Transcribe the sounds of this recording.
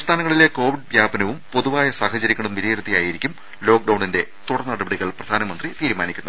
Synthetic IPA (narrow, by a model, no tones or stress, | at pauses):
st̪ʰaːnɐŋːɐɭile̞ko̞ːʋiɖʋjaːbɐnɐʋumpo̞ðuʋaːjɐsaːhɐt͡ɕɐɾikʲːɐɳumʋiɾiɾɐt̪ːijaːjiɾikʲːum | lo̞ːk̚ɖɐwɳinde̞t̪uɽɐrnːɐɽɐbeɽiɣɐɭprɐd̪ʱaːnɐmɐnd̪rit̪iːɾumaːnikʲːunːɐðɨ